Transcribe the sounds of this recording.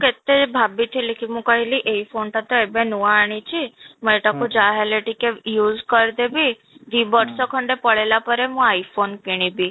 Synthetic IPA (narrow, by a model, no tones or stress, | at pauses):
ũket̪ːebʱabit̪ʰilikʰimũkəɦiliʔeifʰonʈat̪oebẽnuaːɽ̃it͡ʃʰiməeʈakud͡ʒaɦeleʈikejuːzkəɾd̪ebi | d̪ibɔʈsɔkʰəɳɖepəɭelapəɾemũaifʰonkiɽ̃ibi